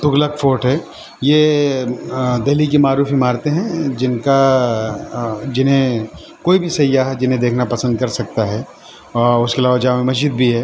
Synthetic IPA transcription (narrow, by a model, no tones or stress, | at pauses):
t̪ʊɡləkfʰoːʈɦɛː | jeː | d̪eɦlikimaːɾuːfimaːɾt̪eɦɛ̃d͡ʒɪnka | d͡ʒɪnɦẽ | koːibʱisɐjːaɦɛd͡ʒɪnɦẽd̪eːkʰnapɐsə̃nd̪̚kɐɾsɐk̚t̪aɦɛː | ɔːʊskeɐlaːʋad͡ʒaːmẽmɐzd͡ʒid̪̚bʱiɦɛː